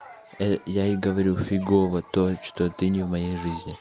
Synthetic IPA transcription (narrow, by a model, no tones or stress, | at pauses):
ɛjaiɡəvɐɾʲufʲɪɡovət̪ot͡ʃt̪ot̪ɨnʲivmɐjejʐɨzʲnʲɪ